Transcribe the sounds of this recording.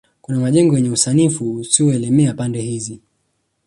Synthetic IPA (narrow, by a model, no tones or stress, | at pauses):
kunamaʄɛŋɡɔjɛɲɛusanifuusiɔɛlɛmɛapandɛhizi